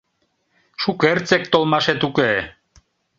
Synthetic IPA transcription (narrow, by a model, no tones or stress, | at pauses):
ʃukert͡sek̚t̪olˠmɑʃet̪uke